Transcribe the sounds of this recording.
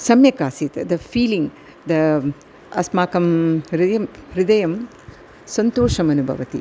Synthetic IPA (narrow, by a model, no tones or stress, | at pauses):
sɐmjɐkaːsit̪ɐd̪ɐpʰiːliŋ | d̪ɐ | ɐsmaːkɐmɾiɐɾid̪ɐjɐm | sɐnt̪oːʂɐmɐnubʱɐ̰ʋɐt̪ḭ